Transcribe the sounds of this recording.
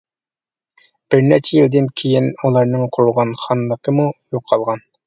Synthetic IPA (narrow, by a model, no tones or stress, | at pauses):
b̥ɪɾnɛɾt͡ʃʰɛjild̪ɪnkʲʰejinulˠɑɾnɨŋqʰoɾuʁɑnχɑnlˠəqʰəmujoqʰːɑlˠʁɑn